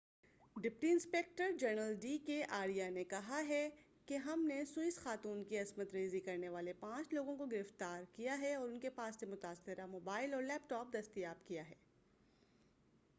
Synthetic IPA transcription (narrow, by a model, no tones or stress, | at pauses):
ɖɪpʈiɪ̃nspeːk̚ʈəɾd͡ʒɐɾnəlɖiːkeʔaːɾijanekɐɦaɦɛ | keɦɐmnesuɪsxaːt̪uːnkiɐzmət̪ɾeːzikɐɾneʋaːlepãːt͡ʃloːɡõkoɡɪɾɪft̪aːɾkijaɦɛɔːɾʊnkepaːsːemʊt̪aːsɪɾamoːbaːɪlɔːɾlɛːp̚ʈɔːp̚d̪ɐst̪ijaːbkijaɦɛː